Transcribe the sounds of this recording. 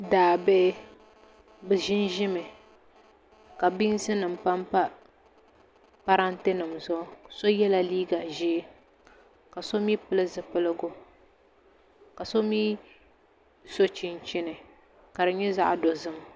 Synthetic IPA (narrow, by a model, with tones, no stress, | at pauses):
daː˨be˦ʔ | bɨ˨ʒɪ˦nʒɪ˦mɨ˨ | ka˨bi˦ŋ˦sɨ˦nɨ˨m̩˨pa˦mpa˦ | pa˦ɾa˦nte˦nɨ˨mzʊ˦so˦jɛ˦la˦liː˦ɡa˨ʒi˦ | ka˨so˦miː˦pɨ˦lɨ˦zɨ˨pɨ˦lɨ˦ɡʊ˦ | ka˨so˦miː˦ | so˦t͡ʃɪ˦nt͡ʃɪ˦nɨ˨ | ka˨dɨ˨ɲɛ˦za̰˦ʔdo˨zɨ˦m˨